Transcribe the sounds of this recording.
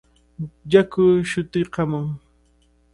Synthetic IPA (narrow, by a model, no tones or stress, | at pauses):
jakʊʃʊt̪ɪqɑmʊŋ